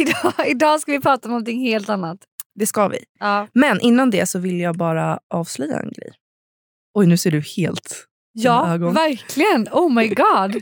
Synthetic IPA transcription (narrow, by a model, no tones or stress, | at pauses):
ɪd̪ɑɪd̪ɑːskavɪpʰɾɑːt̪aɔmnɔmnt̪ʰɪŋːheːlt̪anːat̪ | d̪ɛskavɪ̰ɑːmɛnʔɪnːand̪ɛsɔvɪljɑːɡbɑːɾaʔɑːvslœjːa̰ɛ̰nɡɾɛ̰j | ɔjnʉ̟ːseːɖɵheːlt̪ | jɑːɡɔvæɾkʰlɪɡənɔʊmajɡɑːd